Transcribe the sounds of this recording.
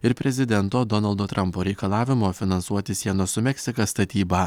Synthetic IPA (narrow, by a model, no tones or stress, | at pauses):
ɪɾpʲɾʲɛzʲɪd̪ʲɛnt̪oːd̪ɔnɐlˠd̪oːt̪ɾʔɐmpoːɾʲɛɪkɐlˠɑːʋʲɪmoːfʲɪnɐnsuɔt̪ʲɪsʲiɛnɐsʊmʲɛksʲɪkɐst̪ɐt̪ʲiːbɐ